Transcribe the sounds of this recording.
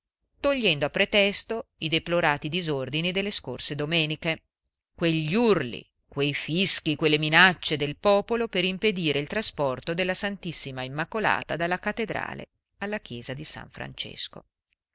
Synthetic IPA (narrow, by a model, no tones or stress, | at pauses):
t̪oʎːɛnd̪oapːɾet̪ɛst̪oid̪eploɾaːt̪id̪izord̪inid̪elːeskorsed̪omɛːnike | kweʎːurlḭ | kwejfiskikwelːeminat͡ʃːed̪elpɔːpolopeɾimped̪iːɾʔeilt̪ɾaspɔrt̪od̪elːasant̪isːimaimːakola̰ːt̪ad̪alːakat̪ːed̪ɾa̰ːlḛ | alːak̟jɛːzad̪isa̰ɱfɾa̰nt͡ʃḛsko̰